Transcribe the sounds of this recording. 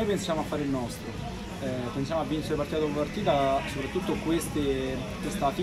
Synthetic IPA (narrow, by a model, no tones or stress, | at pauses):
ojpensjamoafːaːɾeilnɔst̪ɾo | pːensjamoavːint͡ʃeɾepaɾrt̪it̪ad̪uppart̪iːt̪asopɾat̪ːut̪ːokwest̪e | t̪ːest̪at̪i